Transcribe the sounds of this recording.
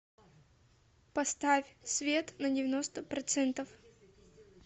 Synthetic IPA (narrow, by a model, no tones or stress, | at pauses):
pɐst̪afʲsvʲet̪nɐdʲɪvʲɪnost̪əpɾɐt̪sɛnt̪əf